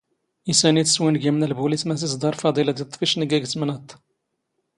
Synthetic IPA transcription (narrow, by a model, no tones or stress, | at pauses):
ʔisænit̪əswinɡæmnəlbulismæs̬isd̪ɑɾˤfɑd̪ˤilad̪ət̪ˤːfiʃnəɡæɡsmənæt̪